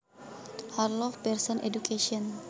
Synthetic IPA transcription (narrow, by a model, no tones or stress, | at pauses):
arlɔfpɛrsɔnʔḛdukʰeʃiɔn